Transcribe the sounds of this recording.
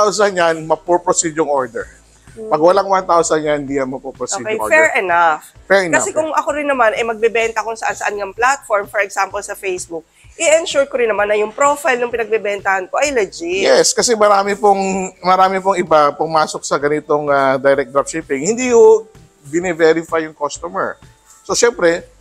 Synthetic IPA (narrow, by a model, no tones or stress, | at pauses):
t̪awsɐnjanmɐpupɹosidjʊŋʔoɹd̪ɛɹ | pɐɡwɐlaŋwant̪awsɐnjanɪnd̪iːjɐnmɐpopɾosoidḛfɛɹʔɛnaffɛɹɛnkɐsɛkʊŋɐkoɾɪnːɐmanɐjmɐɡ̚bɛbɛnt̪ɐkʊŋsɐʔansɐʔanŋɐŋplat̪̚foɹmfɔɹɛɡsampolsɐfejsbuk̚ | ʔɪɛnʃuɹkoɾɪnːɐmanːɐjʊŋpɾofajlnʊŋpɪnɐɡ̚bɛbɛnt̪ɐhɐnkoʔɐjlɐd͡ʒɪjɛskɐsɛmɐɾaːmɪpoŋmɐɾaːmɪp̬oŋɪbapʊmaːsok̚sɐɡɐnɪt̪oŋad̪ajɾɛk̚d̪ɾap̚ʃiːpɪŋhɪnd̪iːhʊ | bɪnɛvɛɾɪfajːʊŋkost̪omɛ̰ɹ | soʃɛmpɾɛ